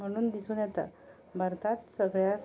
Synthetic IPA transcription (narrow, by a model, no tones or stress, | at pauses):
m̤əɽ̃uːnd̪isuːnjɛt̪a̰ | bʱaɾt̪at̪səɡɭja